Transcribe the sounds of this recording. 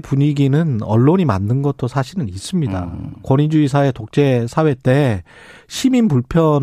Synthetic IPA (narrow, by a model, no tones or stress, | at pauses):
puɲiɡinɯnʌ̰ɭːoɲima̰ndɯnɡʌt͈ʰosʰaɕʰinɯnis͈ɯmɲida̰kwʌɲid͡ʑuisʰae̞tok̚t͡ɕ͈e̞sʰawe̞t͈e̞ | ɕʰiminpuɭpʰjʌn